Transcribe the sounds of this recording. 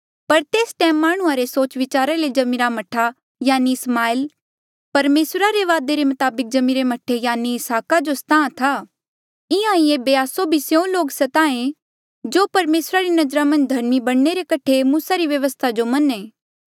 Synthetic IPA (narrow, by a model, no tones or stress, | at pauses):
pɐɾt̪eːsʈɛ̃ːmːaːɽ̃ʊ̃ãɾesoːt͡ʃʋɪt͡ʃaːɾaled͡ʒɐmiɾamɐʈʰa | jaːniɪsmaːɪl | pɐɾmeːsɾaɾeʋaːd̪eɾemɐt̪aːbɪk̚d͡ʒɐmiɾemɐʈʰejaːniɪsaːkad͡ʒost̪ʰãːt̪ʰaː | ɪãːĩẽbeaːsobʱisjõloːɡsɐt̪aːẽ | d͡ʒoːpɐɾmeːsɾaɾinɐd͡ʒɾamɐ̃nd͡ʒd̪ʱɐɾmibɐɽ̃neɾekɐʈʰemuːsaɾiʋjɐʋəst̪ʰad͡ʒomɐnẽː